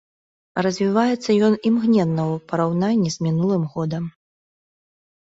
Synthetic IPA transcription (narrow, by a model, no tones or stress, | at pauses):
rɐzʲvʲivajɛt̪sːɐjɔnimɣnʲɛnːɐwpɐɾawnanʲːizʲmʲinulˠɨmɣɔd̪ɐm